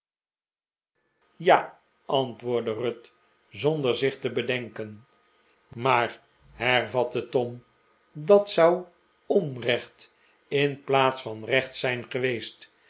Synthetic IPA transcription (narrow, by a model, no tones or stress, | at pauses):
jaː | ʔɑntʋʊːɹdərɵt | zondəɹzɪχtəbədɛŋkən | maːr | ɦɛɹvɑt̪ətɔm | dɑtsʌw | ɔnrɛχt | ɪnplaːtsfɑnrɛχt̪sɛjnχəʋejst